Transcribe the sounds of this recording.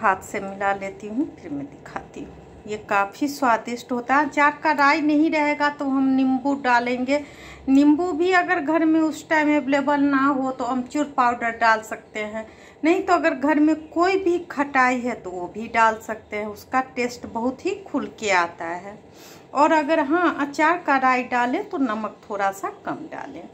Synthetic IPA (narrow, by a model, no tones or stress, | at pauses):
ɦaːt̪ʰsemɪlalet̪iɦũpʰɪɾmẽd̪ɪkʰat̪iɦũ | jekaːpʰiswaːd̪ɪsʈɦot̪aɦɛt͡ʃaːɾkaɾaːjnəɦĩɾəɦeɡat̪oɦəmnɪmbuɖalẽŋɡe | nɪmbubʱiəɡəɾɡʱəɾmẽʊsʈaɪmːeblebəlnaɦot̪oəmt͡ʃʊɾpaːʊɖəɾɖalsək̚t̪eɦɛ̃ | nəɦĩt̪oɐɡəɾɡʱəɾmẽkoːibʱikʰəʈaːiɦɛt̪oobʱiɖaːlsək̚t̪eɦɛ̃ʊskaʈeːsʈbəɦʊt̪ɦikʰʊlkeaːt̪aɦɛː | ɔːɾəɡəɾɦəãmət͡ʃaːɾkaɾaːiɖalẽt̪onəmək̚t̪ʰoːɾasakəmɖa̰ːlḛ̃